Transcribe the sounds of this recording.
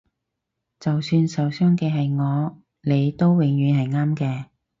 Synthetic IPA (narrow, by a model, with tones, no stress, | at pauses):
t͡sɐ˨wsyː˧nsɐ˨˧wsœː˥ŋkɛː˧ɦɐ˨jŋɔː˨˧ | ne˨˧jt̪o˥wwɪ˨˩ŋjyː˨˧˥nhɐ˨jŋaː˥mkɛː˧